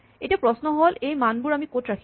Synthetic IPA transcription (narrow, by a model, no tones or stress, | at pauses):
etiapɹɔsnɔɦolejmanbʊɹamikotɹakʰ